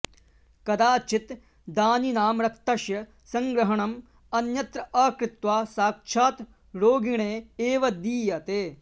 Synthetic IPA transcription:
kɐd̪aːt͡ʃit̪ | d̪aːninaːmɾɐk̚t̪ɐʃjɐ | sɐ̃ŋɡɾɐɦɐɳɐm | ɐnjɐt̪ɾɐɐːkɾɪt̪ʋaːsaːk̚ʃʰaːt̪ | ɾoːɡiɳ̃eːeːʋɐd̪iːjɐt̪eː

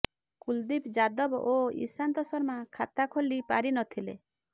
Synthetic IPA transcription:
kuld̪ipd͡ʒad̪ɔboḭsant̪ɔsɔɾmakʰat̪akʰolːipaɾinɔt̪ʰilḛ

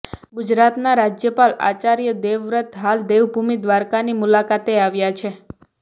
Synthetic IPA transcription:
ɡud͡ʒɾat̪naɾad͡ʒjəpala̰t͡ʃaɾjəd̪eʋɾət̪ɦald̪eʋbʱumid̪ʋaɾkanimulakat̪eaʋjat͡ʃʰe

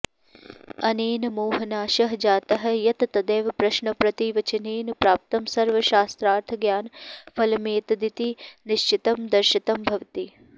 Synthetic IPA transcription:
ɐneːnɐmoːɦɐnaːʃɐɦɐd͡ʒaːt̪ɐɦɐ̆jɐt̪ɐt̪ɐd̪eːʋɐpɾɐʃɳɐpɾɐt̪iʋɐt͡ʃɐneːnɐpɾaːp̚t̪ɐmsɐɾʋɐʃaːst̪ɾaːɾt̪ʰɐɡjaːnfɐlɐmeːt̪ɐd̪it̪iniʃt͡ʃit̪ɐmd̪ɐɾʃit̪ɐmbʱɐʋt̪i

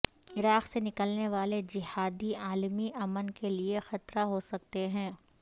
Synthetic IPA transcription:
ɪɾaːqsenɪkəlneʋaːled͡ʒɪhaːd̪iaːlmiʔɐmənkeliexɐt̪ɾaɦosɐk̚t̪eɦɛ̃ː

